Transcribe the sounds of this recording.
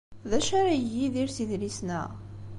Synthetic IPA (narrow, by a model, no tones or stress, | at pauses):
ðæʃaɾajːiðiɾsiðlisnæ̰